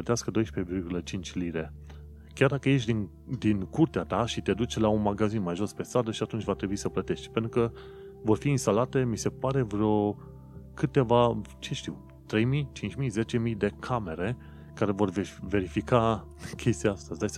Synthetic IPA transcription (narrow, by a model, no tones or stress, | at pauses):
ət̪easkəd̪o̞jʃpevirɡʲulət͡ʃint͡ʃʲliɾe̞ | kʲard̪akəje̞ʃ̬d̪iŋ | d̪inkurt̪eat̪aʃit̪e̞d̪ut͡ʃlaunmaɡazinmajʒo̞spe̞st̪ɾad̪əʃiat̪unt͡ʃʲvat̪ɾe̞buisəplət̪e̞ʃt̪ʲpe̞nt̪ɾukə | vo̞rfiːnst̪alat̪e̞mise̞paɾe̞vɾo̞ | kɨt̪e̞vat͡ʃe̞ʃt̪iw | t̪ɾe̞jmijt͡ʃint͡ʃʲmize̞t͡ʃe̞mijd̪e̞kʰame̞ɾe̞ | kaɾe̞vo̞rvve̞ɾifika | kʲʰe̞st̪iaast̪azd̪ajs